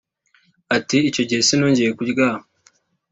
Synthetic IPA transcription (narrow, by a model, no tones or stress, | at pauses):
atiːco̞ɟihesino̞ːɲɟe̞jekuɟɡa